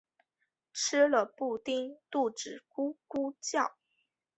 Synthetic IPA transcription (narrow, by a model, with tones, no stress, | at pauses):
ʈ͡ʂ̩ʰ˥lə˨pu˥˩t̪i˥ŋt̪u˥˩ʈ͡ʂɻ̩˨˩ku˥ku˥t͡ɕjɑ˥˩ʊ